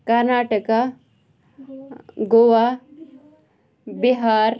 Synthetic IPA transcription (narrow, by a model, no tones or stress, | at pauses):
kɐɾnaːʈəka | ɡoʋa | biɦaːɾ